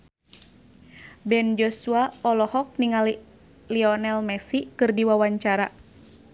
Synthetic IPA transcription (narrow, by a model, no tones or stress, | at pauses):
bɛnd͡ʒɔsuaɔlɔhɔk̚niŋali | liɔnɛlmɛsikɨrdiwawaɲt͡ʃaɾa